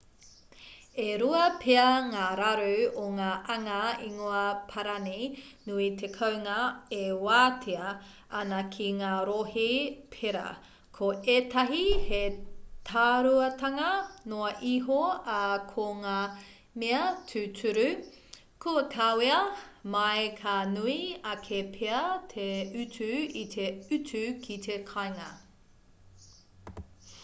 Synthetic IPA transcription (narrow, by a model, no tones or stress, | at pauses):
eɾuɐpʰeɐŋaːɾaɾuoŋaːʔɐŋɐiŋoɐpʰɐɾɐninuit̪ʰekʰɐwŋɐewaːtʰeɐ | ɐnɐkʰiŋaːɾohipʰeɾɐ̰ | kʰoʔetɐɦihetʰaːɾuɐtɐŋɐnoɐʔiɦoɐkʰoŋaː | meɐtʰʉtʰʉɾʉ | kʰuɐkʰaweɐmɐjkʰanuiɐkʰepʰeɐt̪ʰeʉtʉitʰeʉtʉkʰit̪ʰekʰajŋɐ̰